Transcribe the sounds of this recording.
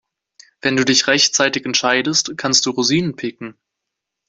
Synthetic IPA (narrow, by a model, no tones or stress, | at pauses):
v̥ɛnduːdɪçʁɛçtt͡saɪtɪçɛntʃaɪdəstkʰanst̚d̥uːʁoziːnənpʰɪkŋ̩